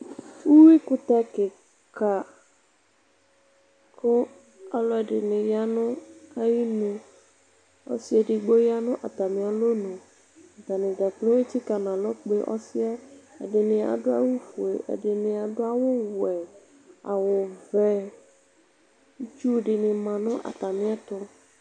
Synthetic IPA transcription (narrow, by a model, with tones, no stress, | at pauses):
wu˦wi˦kʊ˦t̪ɛ˦kɪ˨ | ka˨ | kʊ˦ | a˨lɔ˦ɛ˨ɖɪ˨nɪ̃˨ja˦nʊ̃˦a˦ji˦nũ˨ | ɔ̰˦si˦ɛ˨ɖɪ˨ɡ͡bo˦ja˦nʊ̃˦ʔa˨t̪a˨mĩ˨a˨lo˦nũ˨ | t̪a˨nɪ̃˨d̪a˨k͡plo˦e˦t͡ɕi˦ka˨nã˨lɔ˦k͡pe˦ʔɔ̰˦si˦a˦ḛ˨ɖɪ˨nɪ̃˨a̰˨ɖʊ˦a̰˦wu˦fu˨ḛ˨ʔḛ˨ɖɪ˨nɪ˨a˨ɖʊ˦a˦wʊ˦wɛ˨ | a˨wʊ˨vɛ˦ | t͡ʃu˦˨ɖɪ˨nɪ˨mã˨nʊ̃˦ʔa̰˨t̪a˨mĩ˦a˦t̪ɔ˦